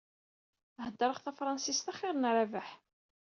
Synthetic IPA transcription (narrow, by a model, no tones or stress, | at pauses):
həd̪ːəɾˤəχθæfɾˤɑnsist̪æχɪɾˤənɾavəħ